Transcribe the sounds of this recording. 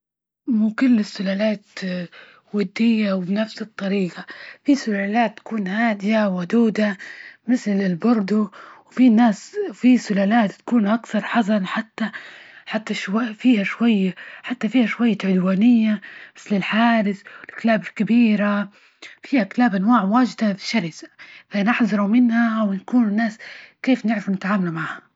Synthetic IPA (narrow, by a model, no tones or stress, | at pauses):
muːkʊlːɪsːʊlaːlaːt̪ | wad̪ːɪjːawbnafsɨt̪ˤːɑɾiːɡafisʊlaːlaːt̪ːḁkuːnhaːd̪ɪjawad̪uːd̪amɪθlɪlbɑɾˤd̪ˤuwfinːaːsfisʊlaːlaːt̪ːḁkuːnʔakθɑɾˤħɑzɑnħat̪ːaħat̪ːaʃwafiːhaʃwajːaħat̪ːafiːhaʃwajːaʕʊd̪waːnɪjːamɪθlɪlħaːɾɪθwɪlʔaklaːbɪlkabiːɾa | fiːhakɪlaːbʔanwaːʕmwaːd͡ʒd̪afɪʃaɾisḁfanɪħzˤɑɾˤumɪnhawnakuːnnːaːskeːfnɪʕɾɪfnɪt̪ʕaːmalumaʕha